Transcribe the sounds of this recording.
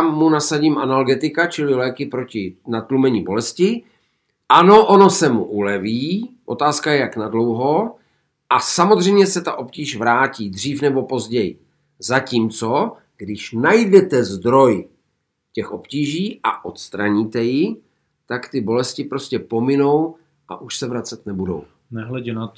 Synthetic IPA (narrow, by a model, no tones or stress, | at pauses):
mːunasaɟiːmʔanalɡɛt̪ɪkat͡ʃɪlɪlɛːkɪpɾo̞cɪnat̪lumɛɲibo̞lɛscɪ | ʔano̞ʔo̞no̞sɛmuʔulɛviːʔo̞t̪aːskajɛjaknadlo̞wɦo̞ | ʔasamod̪r̝ɛjmɲɛsɛt̪aʔo̞pciːʃvɾaːciːd̪r̝iːfnɛbo̞po̞zɟɛjɪ | zaciːmt͡so̞ | ɡ̥dɪʃnajdɛt̪ɛzd̪ɾo̞j | cɛxʔo̞pciːʒiːʔa̰ʔo̞t̪st̪ɾaɲiːt̪ɛjɪ | t̪akt̪ɪbo̞lɛscɪpɾoscɛpo̞mɪno̞w | ʔa̰ʔuʃsɛvɾat͡sɛt̪nɛbudo̞̰w | nɛɦlɛɟɛnat̪